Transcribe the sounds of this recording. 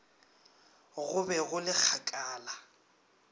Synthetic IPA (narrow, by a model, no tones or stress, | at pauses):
ɣʊbɛɣʊlɪk͡xʰakʼaːla